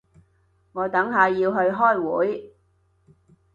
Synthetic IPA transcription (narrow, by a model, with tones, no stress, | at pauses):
ŋɔː˨˧t̪ɐ˨˥ŋɦaː˨˧jːiː˧wɦɵ˧ɥɦɔː˥˩jwṵː˨˥j